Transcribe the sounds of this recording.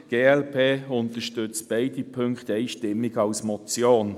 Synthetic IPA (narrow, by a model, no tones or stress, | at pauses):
ɡ̥eːɛlpʰeːʊntəʃtʏt͡sb̥eɪdipʰøŋkχt̪eɪʃtɪmːɪɡ̥ɑʊsmɔt͡sjoːn